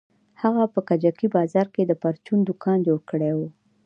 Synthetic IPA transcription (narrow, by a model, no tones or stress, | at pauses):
haɣapəkad͡ʒakibɑzɑɾked̪əpaɾt͡ʃund̪ʊkʰɑnd͡ʒoɽkəɽewu